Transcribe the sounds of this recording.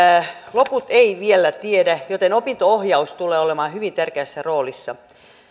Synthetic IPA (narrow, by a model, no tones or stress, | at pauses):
loput̪eiʋielæt̪iedæjot̪enopint̪oohjɑust̪uleːolemɑːhyʋint̪ærkeæsːæroːlisːɑ